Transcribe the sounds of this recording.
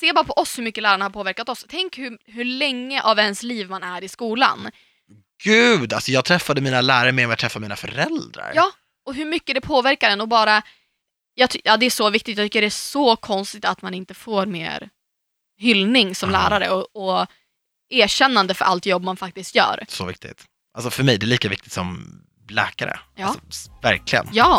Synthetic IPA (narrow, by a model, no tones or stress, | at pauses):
seːbɑːɾapʰɔʔɔshɵɾmʏkːəlæːɾaɳahaɾpʰoːvæɾkat̪ɔst̪ʰɛŋkhɵɦɵlɛŋːəʔavɛnsliːvmanæɾɪskuːla̰n | ɡ̥ʉːd̪alsɔjɑːɡ̚t̪ʰɾɛfːad̪əmiːnalæːɾaɾmɛɔmat̪ʰɾɛfːamiːna̰fœ̰ɾɛld̪ɾa̰ɾjɑː | ɔɦɵɾmʏkːəd̪ɛpʰoːvæɾkaɾɛnɔbɑːɾa | jɑːt̪jɑːd̪ɛæʂɔvɪk̚t̪ɪt̪jɑt̪ʏɪkːəɖɛæsɔkʰɔnst̪ɪt̪at̪manɪnt̪əfoːɾmḛːɾ | ɦʏlnɪŋsɔmlæːɾaɾə̰ɔɔ | eːɕɛnːand̪əfœɾʔa̰lt̪jɔbːmanfak̚t̪ɪst̪jœ̰ːɾsɔvɪ̰k̚t̪ɪ̰t̪ | ʔalsɔfœɾmɛjd̪ɛliːkavɪk̚t̪ɪ̥t̪sɔm | lɛ̰ːkaɾə̰aɑlːsɔvæ̰ɾklɪɡə̰njɑː